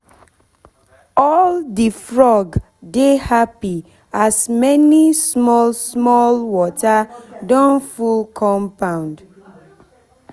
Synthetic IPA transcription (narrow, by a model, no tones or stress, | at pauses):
ɔldifɹɔɡ | dehapi | asmɛnismɔlsmɔlwɔtadɔ̃nfulkʰɔ̃mpãʊ̃nd